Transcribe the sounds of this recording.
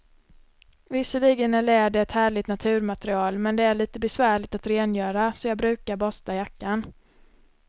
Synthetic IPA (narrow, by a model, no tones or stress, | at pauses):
vɪsːəliːɡənæɭɛːɖɛɛt̪hæːɭɪt̪nat̪ʰʉ̟ːɾmat̪ɾɪɑːlmɛnd̪ɛæɭiːt̪əbɛsvæːɭɪt̪at̪ɾeːnjœːɾasɔjɑːɡ̚bɾʉ̟ːkaɾbɔst̪ajakːan